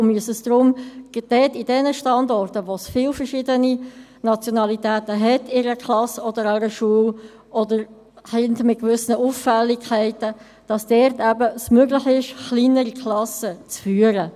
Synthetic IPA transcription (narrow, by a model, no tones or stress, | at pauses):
myəsəsd̥ɾʊmd̥ɛːtidɛnəʃtɑndɔrtəʋosfiːlfəɾʃɪdəni | nɑt͡sjonɑlitɛːtəɦɛtɪɾəkʰlɑsɔdəɾaɾəʃuəl | ʔɔdəɾ | hɛndmɪt̚kvʏsnəʔufːɛlːikʰæɪtə | d̥ɑsd̥ɛɾtæbəəsmøɡlɪχɪʃχliːnəɾikʰlɑsət͡sfyːəɾə